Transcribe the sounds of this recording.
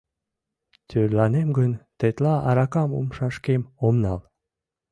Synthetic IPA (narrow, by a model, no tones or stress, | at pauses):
t̪ʰøɾlɑnemɡɵnt̪et̪lɑɑɾɑkɑmṵmʃɑʃkemomnɑlˠ